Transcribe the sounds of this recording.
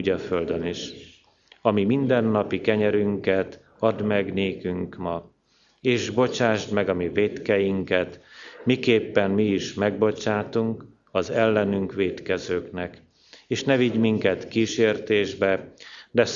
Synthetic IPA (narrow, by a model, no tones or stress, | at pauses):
ɟɒfø̞ld̪øniʃ | ɒmimind̪ɛnːɒpikɛɲɛɾyŋkɛt̪ | ɒd̪mɛɡneːkyŋkmɒ | eːʒbo̞t͡ʃaːʒd̪mɛɡɒmiveːt̪kɛjiŋkɛt̪mikeːpːɛmmiːʃmɛɡ̚bo̞t͡ʃaːt̪uŋk | ɒzɛlːɛnyŋkʋeːt̪kɛzøːknɛk | eːʃnɛviɟmiŋkɛt̪kiːʃeːrt̪eːʒbɛd̪ɛ